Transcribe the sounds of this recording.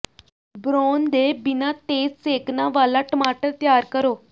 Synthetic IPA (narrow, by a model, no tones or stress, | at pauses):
bɾoːnd̪eːbɪnãːt̪eːd͡ʒseːknaːʋaːlaːʈəmaːʈəɾt̪jaːɾkəɾoː